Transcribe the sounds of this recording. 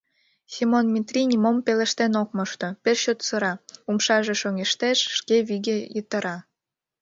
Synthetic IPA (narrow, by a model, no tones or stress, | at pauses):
sʲimonmʲit̪rʲinʲimompelĕʃt̪enok̚məʃt̪operɕot̪səɾɑumʃɑʒeʃoŋeʃt̪eʃːkeβiɣejət̪ə̆ɾɑ